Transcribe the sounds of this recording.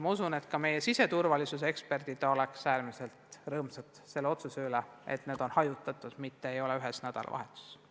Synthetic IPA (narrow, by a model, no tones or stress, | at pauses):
mɑusune̞t̪kɑme̞jesise̞t̪urvɑlisus̬ekspe̞rd̪̥id̪̥ɑo̞leksæːrmise̞lt̪rɤːmsɑt̪se̞lːeo̞t̪suseylɛ | ḛt̪neːd̪̥o̞nhɑjut̪ːˑɑt̪ːˑud̪̥mit̪ːeejo̞leyɦesnæd̪̥ɑ̰lɑ̰vɑ̰ɦe̞t̪ːˑu̥s